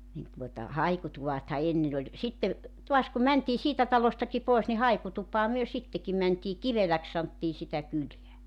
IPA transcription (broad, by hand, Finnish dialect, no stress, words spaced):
nin tuotɑ hɑikutuʋɑthɑ enːen olʲ sitːe tuɑs kum mæntiː siːtæ tɑlostɑki poˑis ni hɑikutupˑɑː myø sitːeki mæntiː kiʋelæks sɑntːiː sitæ kyleæ